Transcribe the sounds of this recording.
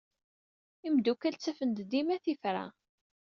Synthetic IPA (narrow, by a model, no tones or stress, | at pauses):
imd̪ukælt͡sːæfənd̪d̪imæθifɾa̰